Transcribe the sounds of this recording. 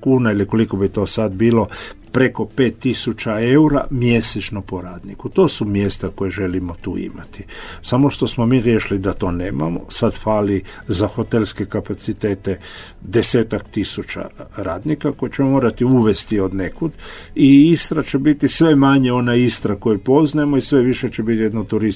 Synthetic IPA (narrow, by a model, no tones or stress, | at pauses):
kuːnailiko̞liko̞bit̪o̞ːsad̪biːlo̞pɾe̞ko̞pe̞ːt̪ːisut͡ʃae̞uɾa̰mje̞set͡ʃnopo̞ɾaːd̪nikut̪o̞ːsumje̞st̪ako̞jeʒe̞limo̞t̪ṵːḭmat̪i̥samoʃt̪o̞smomiːɾʲjeʃlid̪at̪o̞ːneːma̰mo̰sad̪faːli | zaxo̞t̪e̞lskekapat̪sit̪e̞ːt̪e̞ | d̪ese̞ːt̪akt̪isut͡ʃa̰ɾaːd̪nikako̞jit͡ɕemomo̞ːɾat̪iuʋe̞st̪io̞d̪nekud̪iist̪ɾat͡ʃe̞bit̪isʋe̞maɲeo̞naist̪ɾako̞jupo̞znaemo̞isʋe̞ʋiʃet͡ʃebit̪jed̪not̪uɾis